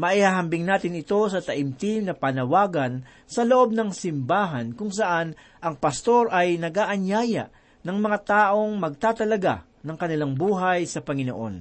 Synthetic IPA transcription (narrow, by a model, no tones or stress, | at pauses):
mɐʔihaɦɐmbɪŋnaːt̪ɪnɪt̪o̞sɐt̪ɐʔɪmt̪ɪmnɐpɐnɐwaːɡɐn | sɐloʔo̞b̚nɐŋsɪmbaːɦɐnkʊŋsɐʔan | ʔɐŋpɐst̪o̞ɾʔɐjnɐɡaːʔɐɲjaːjɐ̰ʔ | nɐŋmɐŋat̪aːʔo̞ŋmɐɡ̚t̪aːt̪ɐlɐɡa̰ | nɐŋkɐnɪlaŋbuːɦɐjsɐpɐŋɪno̰ʔo̞̰n